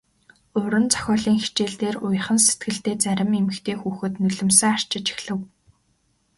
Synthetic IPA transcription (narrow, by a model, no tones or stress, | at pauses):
ɵɾɵ̆nt͡sœ̥xʲɔːɮiːŋxi̥t͡ɕeːɮt̪eːrʊj̆χə̆nset̪̚ɡɘ̆ɬt̪eːt͡sæɾʲɪ̆memɘ̆xt̪ʰeːxuːxɘ̆t̪nɵɮɘ̆msə̆ŋar̥t͡ɕɪ̆t͡ɕi̥xɮɘ̆w